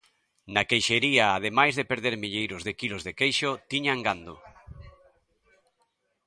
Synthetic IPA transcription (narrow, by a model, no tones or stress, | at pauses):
nakejʃeɾiaːð̞emajzðepeɾðeɾmiʎejɾʊzðekilozðekejʃʊt̪iɲaŋɡand̪o̰